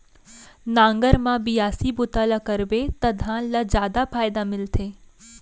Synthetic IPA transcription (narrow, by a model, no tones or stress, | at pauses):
nãːŋɡəɾmãbijaːsibʊt̪alakəɾbet̪ɐd̪ʱãlɐd͡ʒjaːd̪afʰaːjd̪amɪlt̪ʰeː